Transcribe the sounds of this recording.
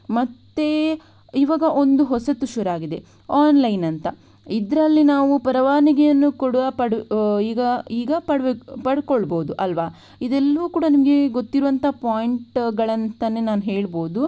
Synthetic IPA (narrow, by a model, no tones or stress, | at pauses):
mɐt̪ːe | iʋaːɡɐʔond̪uɦɔsɐt̪ːuʃuɾaːɡid̪e̞ | aːnlɐjnɐnt̪ɐ̰ | id̪ɾɐlːinaːʋupɐɾɐʋaːniɡɛjɐnːukoɽuɐpɐɽiːɡɐiːɡɐpɐɽpɐɽkoɭbo̞ːd̪uʔɐlʋa | id̪ɛlːɐʋuːkuːɽɐnimɐɡe̞ɡot̪ːiɾuʋɐnt̪ʰapaːjɳʈɡɐɭɐnt̪ɐnːenaːnuɦeːɭboːd̪u